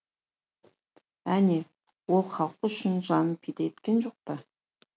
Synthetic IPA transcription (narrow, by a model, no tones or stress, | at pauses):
æne | wolˠχɑlˠqʊʃɪnʒɑnəpʰid̪ejet̪kʲenʒoq̚pə